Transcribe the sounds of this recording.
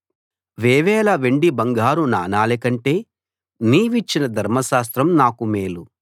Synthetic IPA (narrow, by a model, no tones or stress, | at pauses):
ʋeːʋɛːlɐʋeɳɖibɐŋɡaːɾuna̰ːnaːlekɐɳʈeː | niːʋit͡ʃːinɐd̪ʱɐɾmɐʃaːs̬t̪ɾɐmnaːkumeːlu